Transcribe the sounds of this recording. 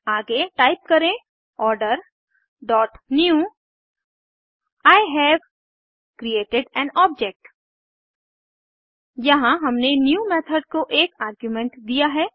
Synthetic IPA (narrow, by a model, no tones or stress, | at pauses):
aːɡeʈaːɪp̚kɐɾẽ | ɔːɾɖəɾ | ɖɔːʈnju | aːɪɦɛːʋ | kɾieːʈɪɖɛ̃ːnɔːb̚d͡ʒek̚ʈ | jɐɦãɦɐmnenjuːmeːt̪ʰəɖkoʔeːkaːɾɡjumɛ̃ɳʈd̪ijaɦɛː